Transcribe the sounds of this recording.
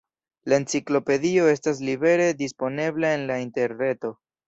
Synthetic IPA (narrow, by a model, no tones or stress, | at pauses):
lae̞nt͡siklo̞pe̞dio̞e̞stas̬libe̞ɾe̞dispo̞ne̞blae̞nlainte̞ɾne̞to̞